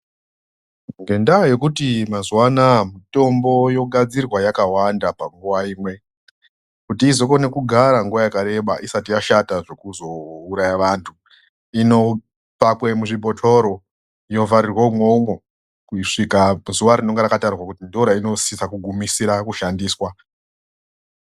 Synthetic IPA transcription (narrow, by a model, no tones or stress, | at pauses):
ŋɡe̞ndaje̞kutimazwanamito̞mbo̞jo̞ɡʱad͡zirwajakawandapaŋɡuʋaiːmwe̞ | kutiːzo̞ko̞ne̞kuɡʱaɾaŋɡuʋajakaɾe̞ɓaʔisatijaʃataʐe̞kuzo̞uɾajaʋantʰu | ino̞ | pakwemuʐibʱotʰo̞ɾo̞ | ino̞vaɾirwoumwoumo | kuiʂikamzuʋaɾino̞ŋɡeɾakatarwakutindoɾaino̞sisakuɡʱumisiɾakuʃandiːswa